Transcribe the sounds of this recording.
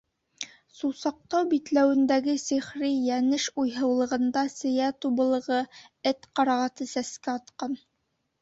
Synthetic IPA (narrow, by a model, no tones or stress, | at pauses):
susɑq̚t̪ɑwbit̪læwɘ̆nd̪æɡɘsɘ̆χɾijænɘʃujɦɤ̆wlˠɤ̆ʁɤ̆nd̪ɑsɘ̆jæt̪ubɤ̆lˠɤ̆ʁɤɘt̪qɑɾɑʁɑt̪ɤsæskæɑt̪qɑn